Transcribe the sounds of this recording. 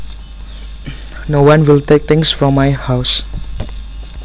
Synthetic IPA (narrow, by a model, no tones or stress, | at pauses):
nowãnwɪlt̪ek̚t̪ɪ̃ŋsfɹɔmːajhaws